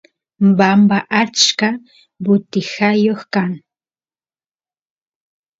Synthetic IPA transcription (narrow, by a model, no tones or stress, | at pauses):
bambaʔat͡ʃka | bʊt̪ɪhajoχkaŋ